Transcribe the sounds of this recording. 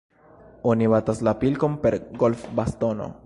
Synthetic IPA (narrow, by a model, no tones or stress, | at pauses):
oniβat̪aslapilkompe̞ɾɡolfbast̪ono̰